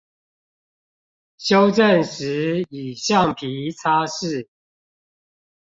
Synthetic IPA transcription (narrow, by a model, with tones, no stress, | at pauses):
ɕjo˦˥ʊʈ͡ʂə˥˨nʂɻ̩˨˦i˨˩ɕjɑ˥˨ŋpʰi˨˦t͡sʰa˦ʂɻ̩˥˨